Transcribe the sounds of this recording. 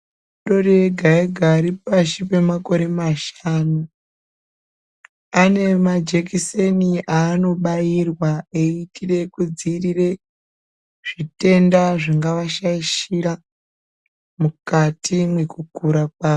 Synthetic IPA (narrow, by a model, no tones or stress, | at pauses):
ɗo̞reɡʱaeɡʱaɾipaʃipe̞mako̞ɾe̞maʃaːnu | ane̞mad͡ʒekiseniʔaːno̞ɓajirwaeitire̞kud͡zirire̞ | ʐ̥ite̞ndaʐiŋɡaʋaʃaiʃiɾa | mukatʰimwe̞kukuɾakwaː